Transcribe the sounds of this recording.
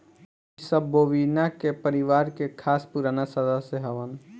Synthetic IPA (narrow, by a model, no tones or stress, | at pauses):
səbːoːʋinakepəɾɪʋaːɾkekʰaːspuɾaːnasəd̪aseɦəʋən